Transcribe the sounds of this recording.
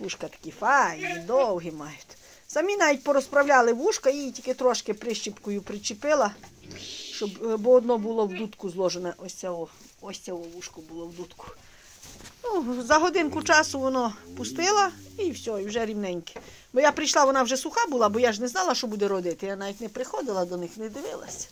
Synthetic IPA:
ʋuʃkɐt̪ɐ̥kʲifɑjid̪ɔwɦimɑjʊt̪ʲ | sɐmʲinɑʋʲit̚ʲpɔɾɔspɾɐwlʲɑlˠɪʋuʃkɐjitʲikɪt̪ɾɔʃkɪpɾɪʃt͡ʃʲipkɔjʊpɾɪt͡ʃɪpɪlˠɐ | ʃt͡ʃɔbbɔɔd̪nɔbʊlˠɔwd̪ut̪kʊzlˠɔʒenɛʔɔsʲt͡sʲɛɔ | ɔsʲt͡sʲɛwɔʋuʃkʊbʊlˠɔwd̪ut̪kʊ̥ | nuzɐɦɔd̪ɪnkʊt͡ʃɑsʊʋɔnɔpʊst̪ɪlˠɐiwsʲɔiwʒɛɾʲiwnɛnʲkɪ̥ | bɔjapɾɪjʃlˠɑʋɔnɑwʒɛsˠʊxɑbʊlˠɑbɔjaʒnɛznɑlˠɐʃt͡ʃɔbud̪ɛɾɔd̪ɪt̪ɪjanɑʋʲit̚ʲnɛpɾɪxɔd̪ɪlˠɐd̪ɔnɪxnɛd̪ɪʋɪlˠɐ̰sʲɐ̥

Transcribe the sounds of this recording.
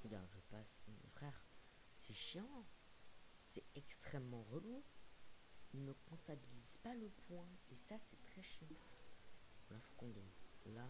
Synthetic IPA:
ɡa̰ʒəpasmɔ̰̃fχɛʁ | sɛʃjɑ̃ | sɛɛkst̪χɛmːɑ̃ʁəlu | ilnəkɔ̃t̪abilizpaləpʰwɛ̃esasɛt̪χɛʃjɑ̃ | ɔ̃lafo̥kɔ̃d̪ɛla

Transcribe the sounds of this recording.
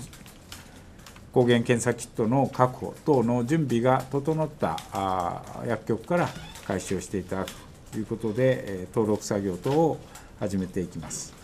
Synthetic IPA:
ko̞ːɡẽ̞ŋkẽɰ̃sakʲi̥t̪ːo̞nokakɯ̟̥ho̞̰t̪o̞ːno̞d͡ʑɨ̃mbʲiɡat̪o̞t̪o̞not̪ːa̰ | jakkʲːo̞kɯ̟̥kːaɾakaiɕoːɕi̥t̪e̞it̪ad̪akɯ̥t̪o̥ | jɯ̟ːko̞t̪o̞d̪e̞t̪o̞ːɾo̞kɯ̟̥saɡʲo̞ːt̪oː | haʑime̞t̪e̞ikʲimasɨ̥

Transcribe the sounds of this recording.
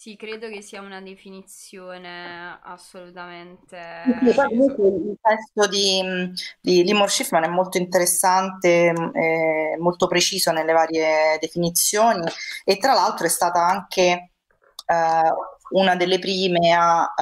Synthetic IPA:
sikɾeːd̪okesːiːaunad̪efinit̪sjoːnea̰solut̪ament̪esisipakomuŋkwelilt̪ɛst̪od̪i | d̪ilimorʃifmanɛmːolt̪oint̪eɾesːant̪eɛmːolt̪opɾet͡ʃiːzonelːevaːɾjed̪efinit̪sːjoːniet̪ːɾalːalt̪ɾoɛst̪aːt̪aaŋke | unad̪elːepɾiːmea

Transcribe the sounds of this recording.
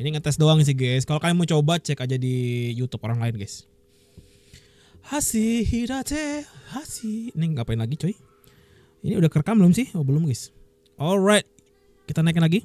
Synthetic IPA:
iniŋant̪ɛsdoaŋis̬ɪɡɛskalokamamut͡ʃobat͡ʃɛkad͡ʒadijut̪upoɾaŋlaɪnɡɛs | hasihidat͡ʃɛhasiniŋɡapaɪnlaɡit͡ʃoi | ḭniudahkərkamlʊmsɪhobəlʊmɡɛs | ʔɔlɾajt̪̚ | kit̪anaik̚nlaɡi

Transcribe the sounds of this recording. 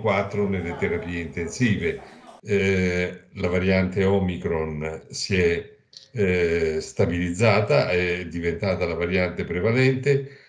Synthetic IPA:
kwat̪ːɾonelet̪eɾapiːeint̪ensiːve | lavaɾjant̪eɔmikɾonsiɛ | st̪abilid̪zːaːt̪aɛd̪ːivent̪aːt̪alavaɾjant̪epɾevalɛnt̪e

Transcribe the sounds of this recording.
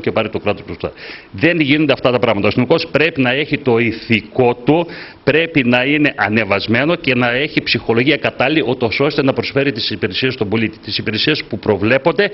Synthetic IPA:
cepɐɾit̪o̞kɾɐt̪ost̪usɐ̰ðe̞nʝinod̪eɐft̪ɐt̪ɐpɾɐɣmɐt̪ɐosθiniko̞spɾe̞pinɐe̞çit̪o̞iθiko̞t̪upɾe̞pinɐine̞ʔɐne̞vɐzme̞no̞ce̞nɐe̞çipsixo̞lo̞ʝiɐkɐt̪ɐliiʔot̪o̞so̞st̪e̞nɐpɾo̞sfe̞ɾit̪isipiɾesiest̪o̞bo̞lit̪i̥t̪isipiɾesiespupɾo̞vle̞po̞nd̪e̞

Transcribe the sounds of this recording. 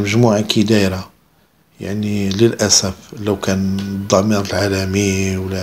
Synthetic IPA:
məʒmuʕakid̪æjɾa | ja̰ʕniləlʔæsəfləwkænd̪ˤːɑmiɾəlʕalæmiwlæ

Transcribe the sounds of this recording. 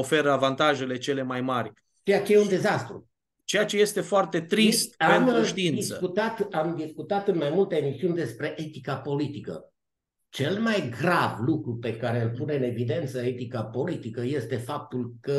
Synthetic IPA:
ofe̞ɾəavant̪aʒe̞le̞t͡ʃe̞le̞majmarʲ | t͡ʃe̞jat͡ʃe̞jeund̪e̞zast̪ɾṵ | t͡ʃejat͡ʃe̞je̞st̪e̞foart̪e̞t̪ɾist̪̚aenmɾuʃt̪iint̪d̪isəkut̪at̪amd̪iskut̪at̪ɨnmajmult̪eeːmisiunʲd̪e̞spɾe̞ʔe̞t̪ikapo̞lit̪ikə̰ | t͡ʃe̞lmajɡɾavlukɾupe̞kaɾe̞ɨlpune̞ɨne̞vid̪e̞nt̪səe̞t̪ikapo̞lit̪ikəje̞st̪e̞fap̚t̪ulkə

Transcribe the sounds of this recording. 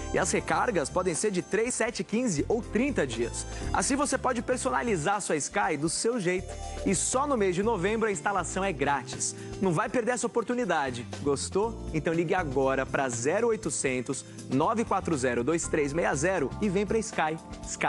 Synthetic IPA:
ɪ̰ɐshekaɾɡɐspɔd̪ẽj̃seɾd͡ʒɪt̪ɾejsɛt͡ʃɪkĩzɪʔowt̪ɾĩnt̪ɐd͡ʒiɐs | a̰sĩvosepɔd͡ʒɪpeɾsonalizaɾɐsuɐɪskajd̪ʊsewʒejt̪ʊ̥ | ɪsɔnʊmejzd͡ʒɪnovẽmbɾʊɐĩst̪alasɐ̃w̃ɛɡɾat͡ʃɪ̥s | nɐ̃w̃vajpeɾd̪eɾɛsɐopoɾt̪unid̪ad͡ʒɪɡost̪oẽnt̪ɐ̃w̃liɡɪaɡɔɾɐpɾɐzɛɾʊojt̪ʊsẽnt̪ʊs | nɔvɪkwat̪ɾʊzɛɾʊd̪ojst̪ɾezmejɐzɛɾʊɪvẽj̃pɾɐiskajɪskaj

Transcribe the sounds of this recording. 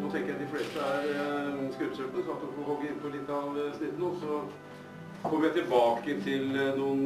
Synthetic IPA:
nɔt̪ʰɛŋkəjæɪd̪ɪfleːst̪əæɾskʉɾpsøpənəsɔɑt̪ɔfɔhɔɡːəɪnpʰɔlɪt̪ːɑʋsnɪd̪nəɔsɔ | kʰɔmːəɾjæɪt̪ʰɪlbɑːkəɪnt̪ʰɪlnuːən

